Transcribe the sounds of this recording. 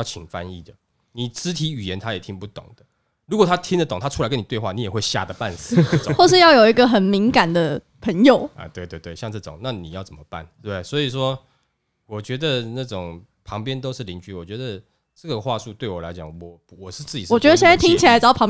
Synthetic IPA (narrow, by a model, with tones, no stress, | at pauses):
jɑ˥˩ʊt͡ɕʰi˨˩ŋfa˦ni˥˩d̪ə˩ | ni˨˩t͡sɹ̩˦˥t̪ʰi˧˥y˨˩jɛ˨˦nt̪ʰa˥jɛ˨˩t̪ʰi˦˥ŋpu˥˩t̪o̰˨˩ŋd̪̥ə˦ | ɻu˧˥kwɔ˨˩t̪ʰa˥t̪ʰi˥ŋd̪ə˨t̪o˨˩ŋt̪ʰa˥ʈ͡ʂʰu˥a˨˦ɪkə˦ni˨t̪we˥˧ɪxwa˥˨˩ni˨˦jɛ˨˩xwe˥˧ɪɕja̰˥˨d̪ə˩pa˥˨˩ns̩˨˩˨xwɔ˥˩ʂ̬ɻ̩˥˧jɑ˥˩ʊjo˨˩ʊi˧˦ɡə˨xə˨˩nmi˧˥ŋka˨˩nd̪ə˨ | pʰə˧˥ŋjo˨˩ʊə̰˨t̪we˥˧ɪwe˥˧ɪt̪we˥˩ɪjŋt͡sə˥˩ʈ͡ʂo̰˨˩ŋna˥˨ni˨jɑ˥˩ʊt͡sə˨˩nmə˩pa̰˥˩nt̪we˥˩swɔ˧˥i˨˩ʂwɔ˦ | wɔ˨˩t͡ɕɥɛ˧˥d̪ə˨na˥˩ʈ͡ʂʊ˨˩ŋ | pʰɑ˧˦˥ŋpjɛ˦nt̪̬o˥ʊʂɻ̩˥˩li˧˥nt͡ɕy˥wɔ˨˩t͡ɕɥɛ˧˥d̪ə˨ | ʈ͡ʂə˥˩ɡə˨˩xwa˥˧su˥˧t̪we˥˩ɪwɔ˨˩la̰˧˦ɪt͡ɕjɑ˨˩ŋwɔ˨˩ | wɔ˨˩ʂɻ̩˥˧t͡sɹ̩˥˧t͡ɕi˨˩˥wɔ˨t͡ɕɥɛ˧˥d̪ə˧ɕjɛ˥˧na˥˩t̪ʰi˥ŋt͡ɕʰi˨la˦ɪt͡sɑ˥ʊpʰɑ˨˦ŋ